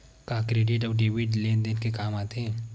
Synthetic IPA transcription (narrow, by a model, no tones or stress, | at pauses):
kakɾeːɖɪʈ̬ɔːɖiːʋiʈleːnd̪enkekaːmaːt̪eɦɛ̃ː